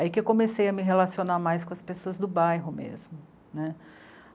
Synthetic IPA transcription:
aikɪewkõmesejɐmɪɦelasionamajskõɐspesoɐzd̪ʊbajɦʊmḛzmʊ | nɛ

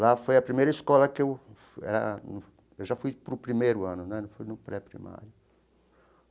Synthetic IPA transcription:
lafojɐpɾimejɾɐiskɔlɐkew | ɛ̰ɾɐ̰n | ewʒafujpɾʊpɾimejɾʊɐ̃nʊnɛnɐ̃w̃fujnʊpɾɛpɾḭma̰ɾjʊ

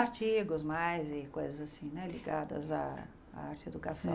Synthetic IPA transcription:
aɾt͡ʃiɡʊzmajzɪkojzɐzasĩnɛliɡad̪ɐ̰za̰ | aɾt͡ʃɪed̪ukasɐ̃

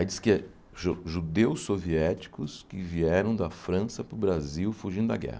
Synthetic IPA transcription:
aid͡ʒ̪iskɪɛ | ʒoʒud̪ewsːoviɛt͡ʃi̥kʊskɪviɛɾɐ̃w̃d̪ɐfɾɐ̃sɐpʊbɾaziwfuʒĩnd̪ʊd̪ɐɡɛ̰hɐ

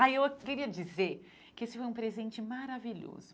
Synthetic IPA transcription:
aiewkɪɾiɐd͡ʒizeɾ | kɪesɪfojũpɾezẽnt͡ʃɪmaɾaviʎo̰zʊ

